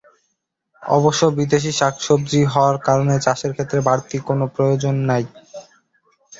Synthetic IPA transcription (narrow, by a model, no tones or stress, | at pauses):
ɔ̰boʃːobid̪eʃ̬iʃakʰʃob̚d͡ʑiɦɔoaɾkaɾonet͡ɕaʃeɾkʰet̪ːɾebaɾt̪ikonopɾojod͡ʑonːaj